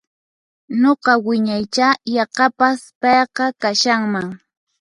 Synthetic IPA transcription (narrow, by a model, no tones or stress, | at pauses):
noqɑwɪɲajt͡ʃajɑqɑpaspɑjqɑkaʃaŋmaŋ